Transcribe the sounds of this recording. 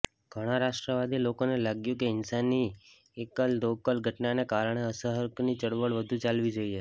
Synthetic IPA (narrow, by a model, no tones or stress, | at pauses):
ɡ̥ʱəɽ̃aɾaʃʈɾəʋad̪ʱilokonelaɡjũkeɪnsanːi | ekəld̪okəlɡʱəʈnanekaɾəɳ̃eəsəɦəɾknit͡ʃəɽʋəɭʋəd̪ʱũt͡ʃalʋid͡ʒoie